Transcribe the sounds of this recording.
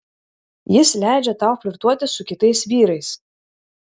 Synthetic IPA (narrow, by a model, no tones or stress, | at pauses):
jɪslʲæˑɪd͡ʒʲɛt̪ɑˑʊfʲlʲɪɾt̪uɔt̪ʲɪsʊkʲɪt̪ɐɪsʋʲiːɾɐɪs